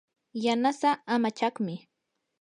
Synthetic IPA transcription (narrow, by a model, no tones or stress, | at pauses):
janasaːmat͡ʃɑχmɪ